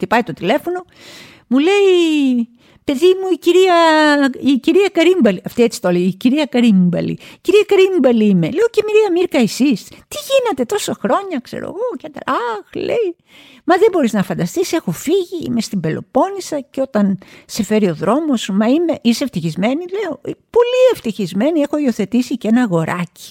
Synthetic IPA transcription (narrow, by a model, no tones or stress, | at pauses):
t̪ipɐjt̪o̞t̪ile̞fo̞no̞ | mule̞i | pe̞ðimuiciɾiɐiciɾiɐkɐɾimbɐliɐft̪iet͡si̥t̪oleiciɾiɐkɐɾimbɐ̰lḭciɾiɐkɐɾimbɐliime̞leocemiɾiɐmiɾkɐesist̪iʝinet̪e̞t̪o̞sɐxɾo̞ɲɐkse̞̰ɾo̰ɣo̞cɐd̪ɾaxlḛi | mɐðembo̞ɾiznɐfɐnd̪ɐst̪ise̞xo̞fiʝḭmest̪imbe̞lo̞̰po̞nisɐceo̞t̪ɐnse̞fe̞ɾio̞ðɾo̞mo̞smɐime̞ʔiseft̪içizme̞nile̞o̞po̞lie̞ft̪içizme̞nie̞xo̞io̞θe̞t̪isicenɐɣo̞ɾɐci̥